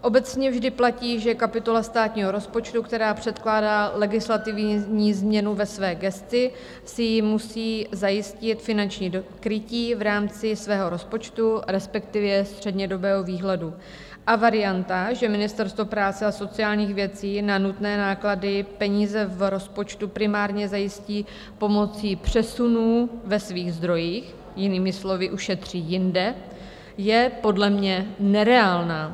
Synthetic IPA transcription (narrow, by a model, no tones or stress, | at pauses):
ʔo̞bɛt͡sɲɛvʒdɪplaciːʒɛkapɪt̪o̞last̪aːt̪ɲiːɦo̞ɾo̞spo̞t͡ʃt̪ukt̪ɛɾaːpr̝̥ɛt̪klaːdaːlɛɡɪslat̪ɪvɲiːzmɲɛnuvɛsvɛːɡɛst͡sɪ | sɪjɪmusiːzajɪscɪt̪fɪnant͡ʃɲiːdokɾɪciːvɾaːmt͡sɪsvɛːɦo̞ɾo̞spo̞t͡ʃt̪uɾɛspɛk̚t̪ɪvjɛst̪r̝̥ɛdɲɛdo̞bɛːɦo̞viːɦlɛdu | ʔavaɾɪjant̪aʒɛmɪnɪst̪ɛɾst̪vopɾaːt͡sɛaso̞t͡sɪjaːlɲiːxvjɛt͡siːnanut̪nɛːnaːkladɪpɛɲiːzɛvɾo̞spo̞t͡ʃt̪upɾɪmaːɾɲɛzajɪsciː | po̞mo̞t͡siːpr̝̥ɛsunuːvɛsviːɣzd̪ɾo̞jiːx | jɪniːmɪslo̞vɪʔuʃɛt̪r̝̥iːjɪndɛ | jɛpo̞dlɛmɲɛnɛɾɛaːlnaː